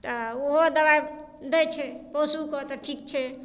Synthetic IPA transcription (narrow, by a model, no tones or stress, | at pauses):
t̪ɔoɦod̪əβaj | d̪ɛt͡ʃʰɛpɔsukɔt̪ɔʈʰikt͡ʃʰɛ